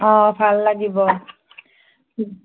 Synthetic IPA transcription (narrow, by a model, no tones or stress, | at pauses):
ɔ̃bʱalːaɡibɔ